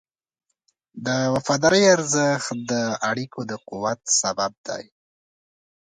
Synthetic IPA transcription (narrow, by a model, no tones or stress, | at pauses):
d̪əwafɑd̪ɑɾəjaɾzəxt̪̚d̪əaɽikod̪əquwat̪sabab̚d̪ɑ̰j